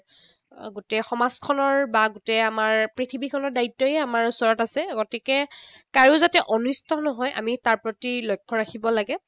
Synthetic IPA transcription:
ɡutɛxɔmazkʰɔnɔɹbaɡutɛamaɹpɹitʰibikʰɔnɔɹdaitːɔjɛamaɹusɔɹɔtasɛɡɔtikɛkaɹizatɛʔɔnustʰɔnɔɦɔjʔa̰mitaɹpɹɔtilɔjkʰːɔɹakʰibɔlaɡɛ

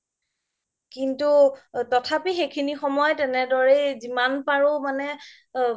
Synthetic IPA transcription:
kintutɔtʰapixejkʰinixɔmɔjtɛnɛdɔɹezimanpaɹomanɛ

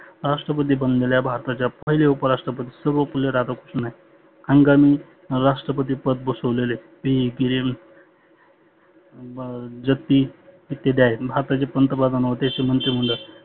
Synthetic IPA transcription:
ɾaʂʈɾəpət̪̬iːbənd̪leljabʱaɾt̪at͡ɕjapəɦileupəɾaʂʈɾəpət̪iːsəɾʋəpuljeɾad̪aku̥snai | aŋɡamiː | ɾaʂʈɾəp̬ət̪̬iːpət̪̚bəsəʋlele | biiɡiɾim | d͡zət̪ːiː | it̪ːed̪jajebʱaɾt̪at͡ɕepənt̪əpad̪anʋət̪at͡ɕemənt̪ɾim̤əɳɖ̪ə

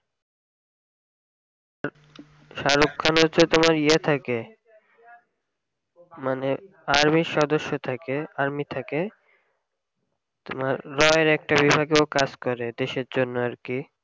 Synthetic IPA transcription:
aɾ | ʃaɾokʰːanot͡ɕʰot̪omaɾiat̪ʰake | mane | aɾmiʃɔd̪oʃːot̪ʰakeaɾmit̪ʰake | t̪omaɾːɔeɾɛk̚ʈabibʱaɡeokad͡ʑkɔɾed̪eʃeɾd͡ʑonːoaɾki

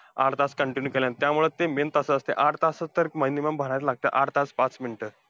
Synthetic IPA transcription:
a̰ɾt̪at͡skəɳʈinjuːkeljãnt̪jamuɭet̪ement̪əsəəst̪eʔaɽt̪asət̪ːəɾkməiniməmbʱəɳ̃jat͡slaɡ̚t̪ḛʔaɽt̪at͡spat͡sminʈə

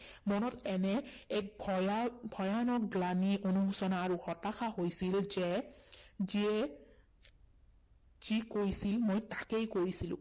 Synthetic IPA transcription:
mɔnɔtɛnɛːk̚bbʱɔjanɔk̚ɡlaniʔonuɦusɔnaːɹuxɔtaxaɦojsilzɛ | ziɛ | z̥ikojsilmojtakejkoɹisilʊ̰̃

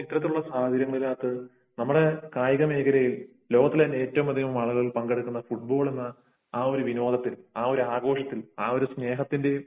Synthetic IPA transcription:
it̪ːɐɾɐt̪ːiluɭːɐsaːɦɐd̪ʱiɾjɐŋːɐɭilaːt̪ːɨ | nɐmːuɽe̞kaːjɐɣɐme̞ːɡɐɾɐjil | lo̞ːɡɐt̪ːilene̞ːtːɐʋumɐd̪ʱiɣɐʋumaːɭɣɐɭilpɐŋɡeɽukːunːɐfuʈ̚bo̞ːɭe̞nːɐ | aːo̞ɾuʋino̞ːd̪ʱɐt̪ːilaːo̞ɾuaːɡo̞ːʂɐt̪ːilaːo̞ɾusne̞ːɦɐt̪ːinde̞

